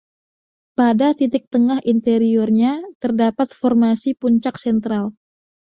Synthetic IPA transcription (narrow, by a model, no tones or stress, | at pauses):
padat̪it̪ɪk̚t̪əŋahʔint̪eɾiɔrɲat̪ərdapat̪̚fɔrmasipuɲt͡ʃaksɛnt̪ɾal